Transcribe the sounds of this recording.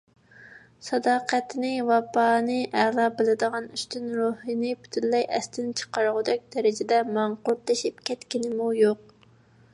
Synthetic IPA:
sɑd̪ɑːqʰæt̪nɪwɑpɑːnɨʔælˠɑːbɪlɪd̪əʁɑnyst̪ynɾohinɪpʰy̥t̪ʰynlɛjʔɛst̪ʰɪnɪt͡ʃʰə̥qɑɾʁʊd̪ɛk̚ʲd̪̥ɛɾɪd͡ʒɪd̪ɛmɑɴqʊɾt̪lɨʃip̚kʲɛt̪kʲinɪmujoq̚

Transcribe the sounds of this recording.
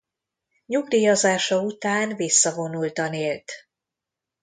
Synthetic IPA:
ɲuɡd̪iːjɒzaːʃɒut̪aːnvisːɒvo̞nult̪ɒneːlt̪

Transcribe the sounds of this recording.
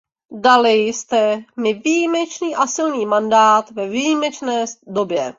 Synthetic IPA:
dalɪjst̪ɛmɪvijimɛt͡ʃniːʔasɪlniːmandaːt̪vɛvijimɛt͡ʃnɛːdobjɛ

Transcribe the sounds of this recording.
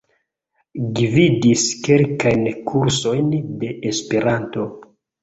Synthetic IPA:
ɡividiske̞lkajnkʰuɾso̞jnde̞ʔespeɾanto̞

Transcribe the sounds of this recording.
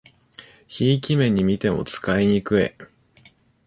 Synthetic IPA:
çiːkʲimẽ̞ɲ̟ːimʲit̪e̞mo̞̰t͡sɨ̥kaiɲ̟ikɯ̟e̞̰

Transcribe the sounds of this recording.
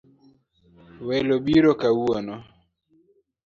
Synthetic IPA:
wɛloɓiɾɔkauɔnɔ

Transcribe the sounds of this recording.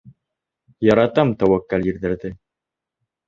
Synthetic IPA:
jɑɾɑt̪ɑmt̪æwækːælʲiɾðɘ̆ɾðɘ

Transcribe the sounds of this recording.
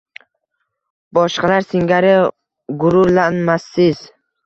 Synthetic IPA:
bɒʃqɑlaɾsɪŋɡʲaɾɪ | ɡʊɾʊɾlanmasːɪz

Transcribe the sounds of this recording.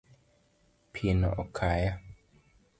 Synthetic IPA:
pʰinɔ̰ʔɔkʰaja

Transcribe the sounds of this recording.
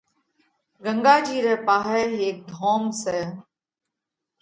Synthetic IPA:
ɡə̃ŋɡaːd͡ʒiːɾɛːpaːɦɛːeːk̚d̪ʱoːmseː

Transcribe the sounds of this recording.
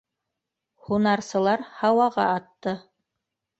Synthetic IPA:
hunɑɾsɤ̆lˠɑɾhɑwɑʁɑ̰ɑt̪ːɤ

